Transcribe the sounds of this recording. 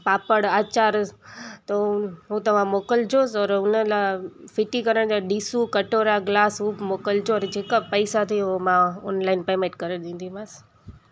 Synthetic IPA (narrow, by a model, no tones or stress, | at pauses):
paːpəɽaːt͡ɕaːɾt̪oɦut̪ɐʋ̤ãmoːkəld͡ʑʰoːsɔːɾʊnəlafɪʈikɐɾəɽ̃d͡ʑaɗiːsukɐʈoːɾaɡlaːsɦuːbmoːkəld͡ʑʰoɔɾd͡ʑeːkapəɪsat̪ʰiomãɔ̰ːnlaːɪnpeːmẽʈkɐɾeɗ̪ĩːnd̪imas